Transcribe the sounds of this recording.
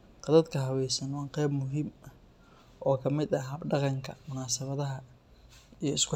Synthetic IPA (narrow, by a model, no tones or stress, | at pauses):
qɑðɐd̪kʰɐɦɐwɛjsɐnwɑːqɛjbmʊɦiːmɐh | ʔɔːkʰɐmɪd̪ɐɦɐbɖɑqɑŋkʰɐ̰mʊnaːsɐβɐðɐɦɐ | ijɞɪskʰʊ